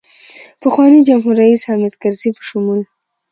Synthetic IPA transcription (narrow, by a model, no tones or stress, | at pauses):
pəxwɑnid͡ʒamɦuɾːaishamɪd̪kaɾzipə̥ʃʊmul